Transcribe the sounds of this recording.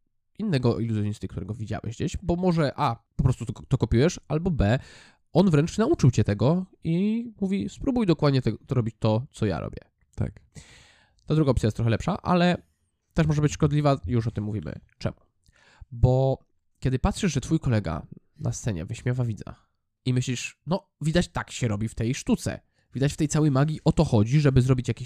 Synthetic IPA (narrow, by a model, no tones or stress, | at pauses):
inːɛɡɔiluzjɔɲist̪ɨkt̪uɾɛɡɔvʲid͡ʑa̰wɛ̰ʑd͡ʑeɕbɔmɔʐɛʔapɔpɾɔst̪utt̪ɔkɔpʲiwɛʂalbɔbɛ | ɔnvɾɛnt͡ʂnaut͡ʂɨwt͡ɕɛt̪ɛɡɔimuvʲispɾubujd̪ɔkwad̪ɲɛt̪ɛɾɔbʲit͡ɕt̪ɔt̪sɔja̰ɾɔ̰bʲjɛ̰ | t̪a̰k | t̪ad̪ɾuɡaɔpt̪sʲjajɛst̪ɾɔxɛlɛpʂa̰ʔa̰lɛ | t̪ɛʂmɔʐɛbɘt͡ɕʂkɔd̪lʲivajuʂɔt̪ɘmːuvʲimɘ̰t͡ʂɛ̰mu | bɔ | kʲɛd̪ɘpat̪ʂɘʐʐɛt̪fujkɔlɛɡa̰ | na̰st̪sɛɲɛ̰vɛɕmʲjavavʲid̪za̰ | imɘɕlʲiʂnɔ | vʲid̪at͡ɕt̪akɕɛɾɔbʲift̪ɛjʂt̪ut̪sɛ̰ | vʲid̪at͡ɕft̪ɛjtsawɛjmaɡʲiʔɔt̪ɔxɔd͡ʑiʐɛbɘzɾɔbʲit͡ɕjakʲiɕ